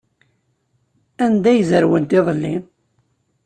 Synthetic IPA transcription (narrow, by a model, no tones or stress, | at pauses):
ænd̪æjzəɾwənt̪ɪðˤəlːḭn